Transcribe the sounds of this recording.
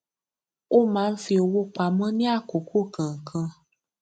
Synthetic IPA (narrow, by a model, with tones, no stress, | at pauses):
o˦mãː˦˧n̩˦fi˧o˧wo˦k͡pa˧mɔ̃˦nĩ˦a˦˨ko˨ko˦˨kã˨ŋ̩˨kʰã˧